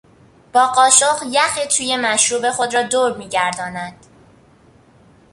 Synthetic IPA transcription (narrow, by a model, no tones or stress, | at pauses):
b̥ɒːɢɒːʃoʁjæxiːt̪ʰuːje̞mæʃɾuːbe̞xo̞d̪ɾɒːd̪oːɾmiːɟæɾd̪ɒːnæd̪̥